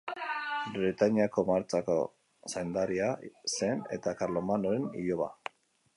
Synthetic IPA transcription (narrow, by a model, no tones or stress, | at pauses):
bɾet̪aɲiako̞maɾt͡sako̞̰ | sajnd̪aɾiase̞ne̞̰t̪akaɾlomanoɾenḭʎoβa̰